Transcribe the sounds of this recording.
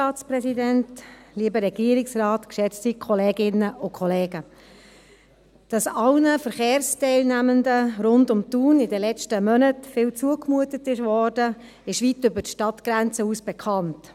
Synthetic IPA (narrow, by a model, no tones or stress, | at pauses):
ɑːsprɛsidæntliːbəɾɛɡiəɾɪksrɑːtkʃɛt͡stikʰχɔleːɡɪnəʔʊkʰχɔleːɡə | d̥ɑsɑlnəfəɾχeːɾstɛɪlnæməndəɾʊndʊmt̪uːnɪdɛlɛt͡ʃtəmœnətfɪlt͡suəkmuətətɪʃvɔɾdə | ɪʃʋitʏbətʃtɑtɡ̥ɾænt͡səuːsb̥ɛkʰɑnt